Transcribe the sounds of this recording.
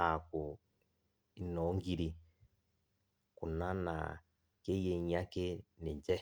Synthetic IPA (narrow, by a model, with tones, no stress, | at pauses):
a˨kʊ˨ | i˨˦nɔ˨˦ŋ˦ɡi˦ɾi˦ | ku˨na˦na̰˨ | ke˦je˨ɲ˦a˦ke˦nḛ˨d͡ʒɛ˦